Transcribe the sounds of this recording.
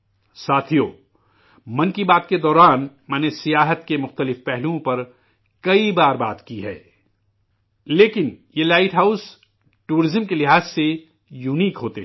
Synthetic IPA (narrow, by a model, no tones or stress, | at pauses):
saːt̪ʰijoː | mɐ̃nkibaːt̪ked̪ɔːɾaːn | mɛ̃ːnesijaːɦət̪kemʊxt̪əlɪfpɛɦluõpɐɾ | kɐibaːɾbaːt̪kiɦɛ̰ː | leːkɪnjelaːɪʈɦaːʊs | ʈuːɾɪzəmkelɪɦaːzse | juːniːkɦoːt̪e